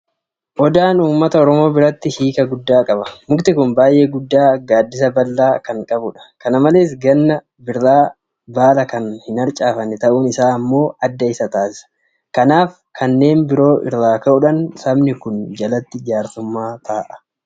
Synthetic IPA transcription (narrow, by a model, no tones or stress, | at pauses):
ʔɔd̪aːnuːmːɐt̪ɐɔɾɔmo̞ːbɪɾɐt̪ːɪhiːkʼɐɡʊd̪ːaːkʼɐbɐmʊɡt̪ɪkʊnbaːjʔe̞ːɡʊd̪ːaːɡaːd̪ːɪsɐbɐlːaːkɐŋkʼɐbʊᶑɐ̥kɐnɐmɐle̞ːs̬ɡɐnːɐ | bɪɾːaː | baːlɐkɐnhɪnɐɾt͡ʃʼaːfɐnːɪt̪ɐʔuːnɪsaːɐmːo̞ːɐd̪ːɐɪsɐt̪aːsɪ̥sɐ̥ | kɐnaːf | kʰɐnːe̞ːnbɪɾo̞ːʔɪ̰rːaːkɐʔʊᶑɐnsɐbnɪkʊnd͡ʒɐlɐt̪ːɪd͡ʒaːɾt̪ʊmːaːt̪ʰaːʔɐ̥